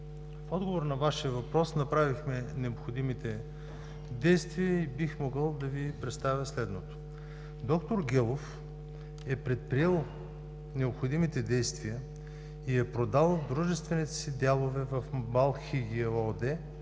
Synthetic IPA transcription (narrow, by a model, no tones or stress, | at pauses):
fɔd̪ɡovoɾnɐvaʃiəvɐpɾɔsnɐpɾavixmɛnɛopxod̪imit̪ɛ | d̪ɛjst̪viəibixmoɡəlˠd̪ɐvipɾɛt̪st̪avʲjəslɛd̪not̪o̥ | d̪ɔkt̪oɾɡʲɛlˠof | ɛpɾɛt̪̚pɾiɛlˠ | nɛopxod̪imit̪ɛd̪ɛjst̪viə | iɛpɾod̪alˠd̪ɾuʒɛst̪vɛnit̪ɛ̥sid̪ʲalˠovɛvɐfmalˠxiɡʲiod̪ɛ